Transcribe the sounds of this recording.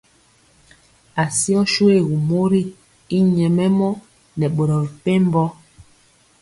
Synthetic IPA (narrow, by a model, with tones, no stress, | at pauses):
a˨si˦ɔ˦ʃu˦e˦˨ɣu˨mo˦ɾi˦ | i˦ɲɛ˨mɛ˦mɔ˦ | nɛ˨ɓo˨ɾɔ˨vi˨pe˦m˦bɔ˦